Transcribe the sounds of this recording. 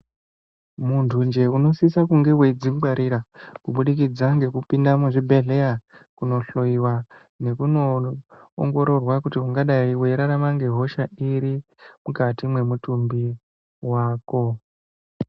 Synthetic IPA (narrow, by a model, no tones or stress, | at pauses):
muntʰund͡ʒe̞uno̞sisakuŋɡe̞wed͡zimɡaɾʔiɾakuɓuɗik̬id͡zaŋɡe̞kupindamuʐibʱe̞ɮe̞akuno̞ɬo̞iwa | ne̞kuno̞̰ː | ŋɡo̞ɾo̞rwakutiuŋɡaɗaiweiɾaɾamaŋɡe̞ɦo̞ʃaʔiɾi | mukatimwe̞mutumbi | waːko̞